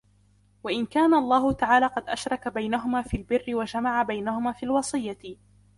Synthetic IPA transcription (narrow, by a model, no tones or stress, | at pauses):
waʔɪnkaːnaʔɑlˤːɑːhʊt̪aʕaːlaːqɑd̪ʔaʃɾˤɑkabajnaɦʊmaːfiːlbɪrːɪwad͡ʒamaʕabajnahʊmaːfiːlwɑsˤɨjːa